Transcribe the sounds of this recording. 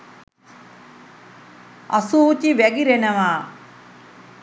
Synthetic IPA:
ɐ̰suːt͡ʃiʋɐɡiɾenɐʋaː

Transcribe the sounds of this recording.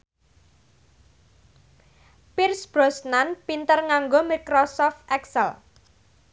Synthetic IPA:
pirsb̥ɾɔsnanpint̪ərŋaŋɡomikɾɔsɔft̪ʔɛksəl

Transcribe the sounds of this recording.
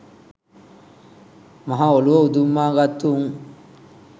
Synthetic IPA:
mɐɦaoluʋɐud̪umːaːɡɐt̪ːuŋ

